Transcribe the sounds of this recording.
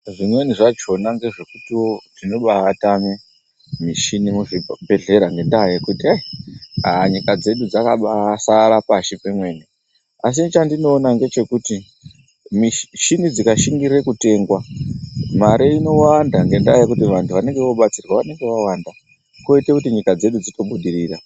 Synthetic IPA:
ʐimwe̞niʐat͡ʃo̞naŋɡe̞ʐe̞kutiwo̞dino̞ɓaatame | miʃinimuʐibʱe̞ɮe̞ɾaŋɡe̞ndajekutiajaɲikad͡ze̞ɗud͡zakaɓasaɾapaʃipemwe̞ːni | as̬it͡ʃandino̞ːnaŋɡe̞t͡ʃe̞kuti | miʃinid͡zikaʃiŋɡire̞kute̞ːŋɡwa | maɾeino̞wandaŋɡe̞ndajjekutiʋantʰuʋane̞ŋɡeʋo̞ɓat͡sirwaʋane̞ŋɡe̞ʋawanda | koitekutiɲikad͡ze̞ɗud͡zito̞ɓuɗiɾiːra

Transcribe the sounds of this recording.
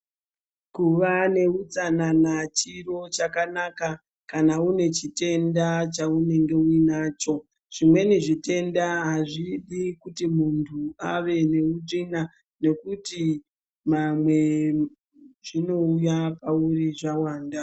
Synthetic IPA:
kuʋane̞ut͡sananat͡ʃiro̞t͡ʃakanaka | kanaune̞t͡ʃite̞ndat͡ʃaune̞ŋɡe̞uinaːt͡ʃo̞ | ʐ̥imwe̞niʐite̞ndaɦaʐiɗikutimuntʰua̰ʋe̞ne̞udina | ne̞kuti | mamwe̞ | ʐ̥ino̞ujapauriʐawaːnda

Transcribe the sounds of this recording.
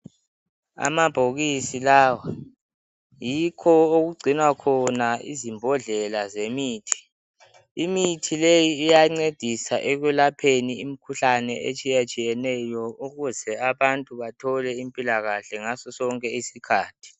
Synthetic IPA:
a̰mab̥ʱoɣisilaːwa | jikʰɔoɣuɡ͡ǀʱinwakʰɔnaḭzimbʱɔɮɛlazemiːtʰi̥ | imitʰilejiːjaŋ͡ǀed̥ʱisaʔɛɣwɛlapʰeniimikʰuɬanɛḛt͡ʃʼijat͡ʃʼijɛnɛjɔuɣuzɛaβantʼuβatʰɔlɛimpʼilaɣaɬɛŋasɔsɔŋkʼɛisikʰaːtʰi̥

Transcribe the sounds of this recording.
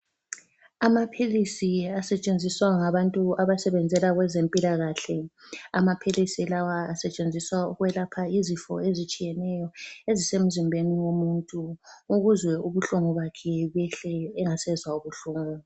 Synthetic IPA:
amapʰilisiasɛt͡ʃʼend͡zʱiswaŋaβantʼuaβasɛβɛnd͡zʱɛlaɣwɛzempʼilaɣaɬɛa̰mapʰilisiɛlawaːsɛt͡ʃʼend͡zʱiswaṵɣuwɛlapʰaizifɔ̰ezit͡ʃʼijɛnɛjɔezisem̩zimbʱeniwomuntʼuuɣuzwɛuβuɬuŋuβakʰɛβɛɬɛːŋasɛzwauβuɬuːŋu

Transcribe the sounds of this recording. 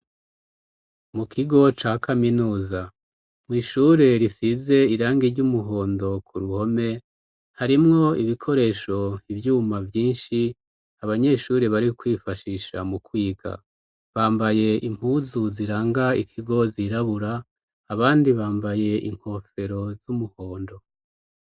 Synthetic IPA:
mukiɡo̞t͡ʃaːkʰaminuːza | mŋiːʃuːɾe̞ɾisize̞iɾaːŋɡiɾɟumuɦo̞ːndo̞kʰuɾuho̞me̞ | haɾimŋo̞iβikʰo̞ɾe̞ːʃo̞ivjuːmavjiːnʃi | aβaɲe̞ʃuːɾe̞βaɾikwiːfaʃiʃa̰mukwiːɡa̰ | βaːmbaje̞ʔim̥huːzuziɾaːŋɡaikʰiɡo̞ziɾaβuɾaː | βaːndiβaːmbaje̞ʔḭŋ̥ho̞fe̞ɾo̞z̥umuho̞ːndo̞

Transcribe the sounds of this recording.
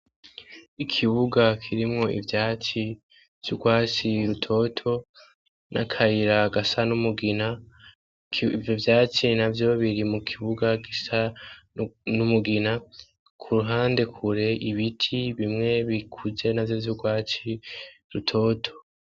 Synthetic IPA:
ikʰiβuɡakʰiɾimŋo̞ḭvjaːt͡ʃi | v̥juɡwaːt͡ʃiɾutʰo̞tʰo̞ | nʔa̰kʰaiɾaɡasanumuɡina | vjovjaːt͡ʃinavjo̞βiɾimukʰiβuɡaɡisa | numuɡina | kʰuɾuɦaːnde̞kʰuɾe̞ʔiβitʰiβimŋe̞βikʰuze̞navjovjuɡwaːt͡ʃiɾutʰo̞ːtʰo̞̥

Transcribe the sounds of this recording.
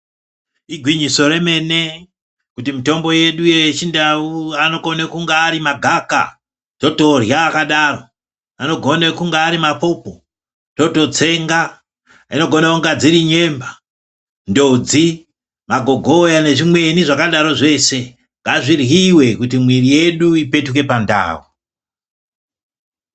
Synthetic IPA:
iɡʱwiɲiso̞re̞me̞ne̞ | kutimito̞mbo̞je̞ɗujet͡ʃindauano̞konekuŋɡaːɾimaɡʱaka̰ | to̞to̞rjaːkaɗaro̞ | ano̞ɡʱo̞nekuŋɡaːɾimapo̞po | to̞to̞t͡se̞ŋɡa | ino̞ɡʱo̞nauŋɡad͡ziɾiɲe̞mba | ndod͡zi | maɡʱo̞ɡʱo̞jane̞ʐimwe̞niʐakaɗaɾo̞ʐe̞se̞ | ŋɡaʐirwiwe̞kutimwirije̞ɗuipe̞tuke̞panda̰ːwu

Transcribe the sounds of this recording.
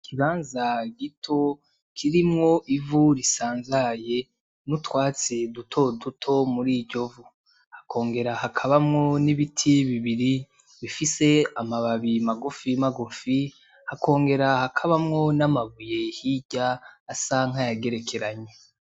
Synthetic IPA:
kʰiβaːnzaɡitʰo̞ | kʰiɾimŋo̞ʔivuɾisaːnzaje̞ | nutwaːt͡sidutʰo̞dutʰo̞muɾiːɟo̞vu | hakʰo̞ːŋɡe̞ɾahakʰaβamŋo̞niβitʰiβiβiɾi | βifise̞amaβaβimaɡufimaɡufi | hako̞ːŋɡe̞ɾahakʰaβamŋo̞namaβuje̞hiɟaːsaŋ̥hajaɡe̞ɾe̞kʰe̞ɾaɲe

